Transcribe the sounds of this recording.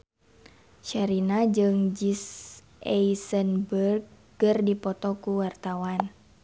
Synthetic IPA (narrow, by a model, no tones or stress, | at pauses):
ʃaɾinad͡ʒɨŋd͡ʒis | ʔɛisənbərɡ̚ː | ərdipɔt̪ɔkuwart̪awan